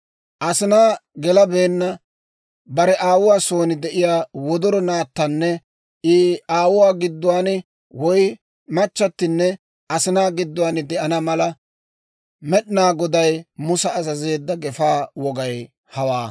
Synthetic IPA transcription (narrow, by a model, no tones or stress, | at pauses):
ʔɐsɪnaːɡɛlɐbeːnːɐ | bɐɾɛʔaːwʊwaːso̞ːnɪd̪ɛʔɪjaːwɔd̪ɔɾɔnaːt̪ːɐnːɛ | ɪaːwʊwaːɡɪd̪ːʊwaːnɪ | wɔj | mɐt͡ʃːɐt̪ːɪnːɛ | ɐsɪnaːɡɪd̪ːʊwaːnɪd̪ɛʔɐnɐmɐlɐ | mɛɗnaːɡɔd̪ɐjmʊsɐːzɐze̞ːd̪ːɐɡɛfaːwɔɡɐj | hɐwaː